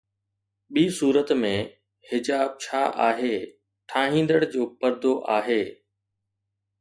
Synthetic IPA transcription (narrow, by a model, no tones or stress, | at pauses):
ɓiːsuːɾət̪mẽ | hɪd͡ʑaːb̚t͡ɕʰaːʔa̰ːɦeː | ʈʰaːɦĩːn̆d̪əɽ̃d͡ʑoːpɐɾd̪oʔaːɦeː